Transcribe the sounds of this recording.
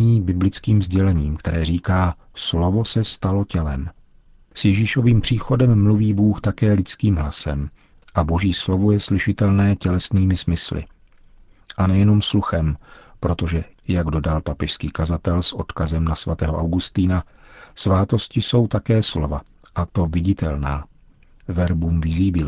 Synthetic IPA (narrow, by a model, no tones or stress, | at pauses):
iːbɪblɪt͡skiːmzɟɛlɛɲiːmkt̪ɛɾɛːriːkaː | slo̞vo̞sɛst̪alo̞cɛlɛm | sjɛʒiːʃo̞viːmpr̝̥iːxo̞dɛmːluviːbuːxt̪akɛːlɪt͡skiːmɦlasɛ̰m | ʔaboʒiːslo̞vojɛslɪʃɪt̪ɛlnɛːcɛlɛsniːmɪsmɪslɪ̰ | ʔanɛjɛno̞msluxɛmpɾo̞t̪o̞ʒɛjaɡdo̞dalpapɛʃskiːkazat̪ɛlsʔo̞̰t̪kazɛmnasvat̪ɛ̰ːɦoʔawɡust̪iːna | svaːt̪o̞scɪso̞wt̪akɛːslo̞va | ʔat̪o̞vɪɟɪt̪ɛ̰lnaː | vɛɾbuːmvɪziːbɪl